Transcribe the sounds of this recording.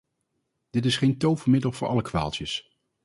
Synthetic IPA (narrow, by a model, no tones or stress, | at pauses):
d̥ɪtɪsχejntowvəɹmɪdəlˠv̥ʊːɹʔɑ̰ləkʋa̰ːlˠtəs